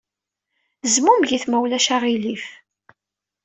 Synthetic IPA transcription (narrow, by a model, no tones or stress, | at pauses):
zmumʝiθmæwlæʃaʁilif